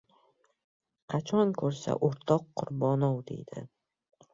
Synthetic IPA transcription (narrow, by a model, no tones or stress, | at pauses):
qʰɑt͡ʃʰɒŋkʰɵɾsa̰ʔoɾt̪ʰɒqʰːʊɾbɒnɒwd̪e̞̰jd̪̥ɪ̰